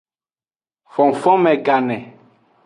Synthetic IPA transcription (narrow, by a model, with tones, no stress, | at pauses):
fɔ̃˨ŋ˨fɔ̃˦mɛ̃˨ɡa˨nɛ̃˨